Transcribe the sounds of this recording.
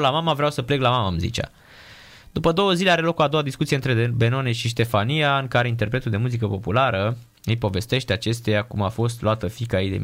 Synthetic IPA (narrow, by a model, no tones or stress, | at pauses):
lamamavɾeawsəple̞klamamamzḭt͡ʃa̰ | d̪̥upəd̪o̞wəzileaɾe̞lo̞koad̪o̞wad̪iskut̪sijeɨnt̪ɾebe̞no̞neʃiʃ̬t̪e̞faniaɨŋkaɾe̞int̪̬e̞rpɾe̞t̪uld̪e̞muzikəpo̞pulaɾə | jejpo̞ve̞st̪e̞ʃt̪eat͡ʃe̞st̪ejakumafo̞st̪loat̪əfikajejd̪ḛm